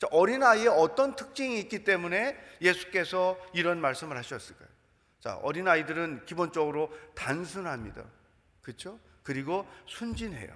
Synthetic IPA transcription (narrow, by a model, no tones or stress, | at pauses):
t͡ɕaʔʌɾinaieʌt͈ʌntʰɯk̚t͡ɕ͈iŋiːk͈it͈e̞mune̞je̞sʰu̥k͈e̞sʰʌiɾʌnmaɭs͈ɯmɯɭhaɕʰʌs͈ɯɭk͈a̰jo | t͡ɕa̰ʔʌ̰ɾinaidɯɾɯnkibont͡ɕ͈ʌɡɯɾotansʰunɦamɲida̰ | kɯt͡ɕʰokɯɾiɡosʰund͡ʑinɦe̞̰jo̰